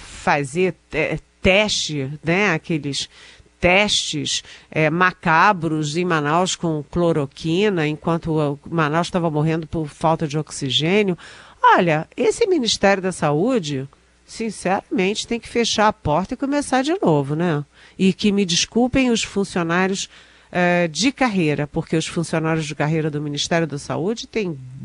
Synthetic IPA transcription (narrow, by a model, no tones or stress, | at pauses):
fazeɾɛt̪ɛʃt͡ʃɪnɛakelɪst̪ɛʃt͡ʃɪsɛmakabɾʊzẽj̃mãnawskõkloɾokʰĩnɐẽkwɐ̃nt̪ʊmanawʃt̪avɐmoɦẽnd̪ʊpʊɾfawt̪ɐd͡ʒɪoksiʒẽnjʊɔʎɐesɪminiʃt̪ɛɾjʊd̪ɐsaud͡ʒɪ | sĩsɛɾɐmẽnt͡ʃɪ̥t̪ẽj̃kɪ̥feʃaɾapɔɾt̪ɐɪkomesaɾd͡ʒɪnovʊnɛ | ɪkɪmɪd͡ʒiskuwpẽj̃ʊsfũsionaɾjʊs | ɛd͡ʒɪkaɦejɾɐpoɾkeʊsfũsionaɾʲjʊzd͡ʒɪkaɦejɾɐd̪ʊminiʃt̪ɛɾjʊd̪ɐsa̰ud͡ʒɪt̪ẽj̃